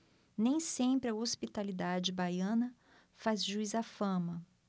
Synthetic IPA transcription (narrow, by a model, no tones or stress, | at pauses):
nẽj̃sẽpɾɪɐospit̪alid̪ad͡ʒɪbajɐ̃nɐ | fazʒuizafɐ̃mɐ